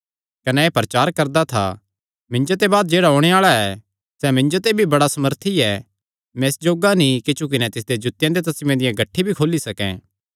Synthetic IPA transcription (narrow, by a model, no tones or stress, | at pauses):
kɐnɛeːpɾɐt͡ʃaːɾkɐɾd̪at̪ʰa̰ | mɪ̃ɲd͡ʒot̪̬ebaːd̪d͡ʒeːɽaɦoːɽ̃eaːɭaɛ | sɛmɪ̃ɲd͡ʒot̪̬ebʱibɐɽasɐməɾt̪ʰiɛ | mɛ̃ɪsd͡ʒoːɡanĩkɪt͡ʃuk̬ɪnɛt̪ɪs̬d̪ed͡ʒʊt̪ːɪjãd̪et̪̬ɐsmẽd̪ɪjãɡɐʈʰːibʱikʰoːlisɐkɛ̰̃ː